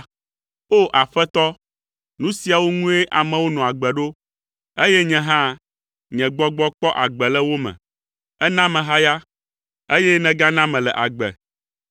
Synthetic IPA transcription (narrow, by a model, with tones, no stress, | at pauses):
o˦ʔa˨ɸɛ˦t̪ɔ˦ | nũ˦si˨a˨wo˦ŋũ˦e˦ʔa˨mɛ̃˨wo˦nɔ̃˨a˨ɡ͡bɛ˨ɖo˦ | e˦jɛ˦ɲɛ̃˨ɦã˦ | ɲɛ̃˨ɡ͡bɔ˦ɡ͡bɔ˦k͡pɔ˦ʔa˨ɡ͡bɛ˨lɛ˦wo˦mɛ̰̃˨ | ɛ˦nã˦mɛ̃˨ɦa˦ja˦ | e˦jɛ˦nɛ̃˨ɡa˦nã˦mɛ̃˨lɛ˨ʔa˨ɡ͡bɛ̰˨